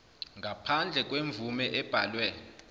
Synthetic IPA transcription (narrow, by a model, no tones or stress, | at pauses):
ŋɡʱapʰand͡ɮʱɛk̬ʼweɱb̪vumɛʔɛb̥ʱalwɛ